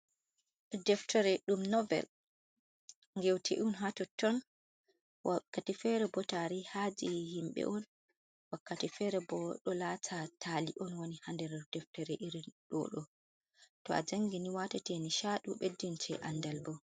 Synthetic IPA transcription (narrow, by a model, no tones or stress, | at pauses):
dɛftʰɔɾɛɗumnɔvɛ̰l | ŋɡɛwtʰɛ̰ʔunɦatɔtːɔn | wakːatifɛɾɛbɔtaɾihad͡ʒihimɓɛ̰ʔɔn | wakːatifɛɾɛbɔɗɔlaːtʰatʰaliʔɔnwonihandɛɾɛd̥ɛftɛɾɛʔiɾinɗɔ̰ɗɔ | tɔa̰d͡ʒaŋɡiniwatatɛniʃaɗuɓedːintʰɛ̰ʔandalbɔ